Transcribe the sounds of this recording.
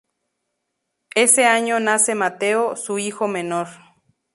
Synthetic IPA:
eseaɲonasemat̪eosuixomẽnoɾ

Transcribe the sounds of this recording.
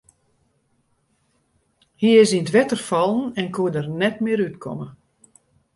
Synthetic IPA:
hiɪsinətʋɛtərfɔlˠn̩ɛnkʰuədərnɛtmɪəɾytkʰɔ̰mə

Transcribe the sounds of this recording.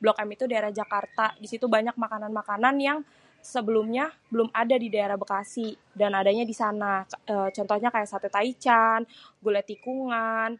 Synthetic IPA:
bəlɔkamit̪udaeɾahd͡ʒakart̪adisit̪ubaɲak̚makananmakananjaŋ | səbəlʊmɲabəlʊmadadidaeɾahbəkasih | danadaɲadisanaət͡ʃɔnt̪ɔhɲakajaʔsat̪ut̪ait͡ʃanɡulat̪ikuŋan

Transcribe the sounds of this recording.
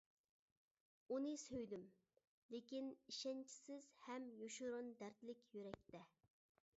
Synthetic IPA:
unɨsøjd̪ym | lekʲiniʃɛnt͡ʃʰi̥sɪz̥hɛmjoʃuɾund̪æɾt̪lɪkʲjyɾɛk̚ʲt̪ɛ

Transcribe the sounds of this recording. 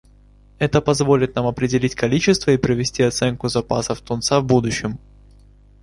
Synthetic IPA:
ɛt̪əpɐzvo̞lʲɪt̪̚namɐpɾʲɪdʲɪlʲitʲkɐlʲit͡ɕɪst̪vəipɾəvʲɪsʲtʲiɐt̪sɛnkʊzɐpasəft̪ʊnt̪savbud̪ʊɕːɪm

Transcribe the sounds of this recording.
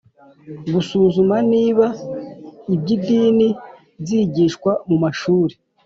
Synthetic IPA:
ɡusuːzumaniːβa | ibɟidiːni | ziːɟiʃkwamumaʃuːɾe

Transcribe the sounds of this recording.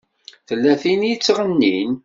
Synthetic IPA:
θəlːæθinjit͡sːʁənːin

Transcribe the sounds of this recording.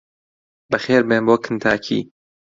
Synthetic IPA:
bəxeːɾbeːmboːkʰɨnt̪ʰaːkʰḭː

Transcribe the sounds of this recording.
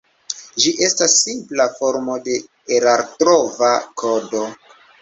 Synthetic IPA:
d͡ʒiʔe̞stasːimplafo̞ɾmo̞de̞ | eɾaɾtɾovakʰodo̞

